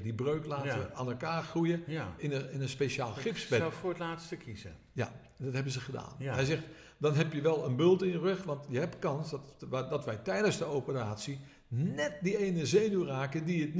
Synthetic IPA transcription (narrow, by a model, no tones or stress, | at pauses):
dibrøːklaːtəaːnɛlˠkaːrxrujəɪnəɪnənspeʃaːlˠxɪpsbɛɛfoətlaːtstəkʰizə | ja̰ | ndɔthɛbəzəχəda̰ːnɛjzɛxt | dɔnɦɛpjəʋɛlˠənbølˠtɪ̃njərɵxʋɑntjəɦɛp̚tkɑnsdtdɔtʋɛjtɛjdəsdəowpəraːtsi | nɛt̚dieːnəzeːnyraːkədiətn